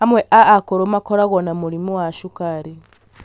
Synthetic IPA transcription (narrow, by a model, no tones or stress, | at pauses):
hamweʔaːkoɾomakoɾaɣonamulimuwaʃukaɾi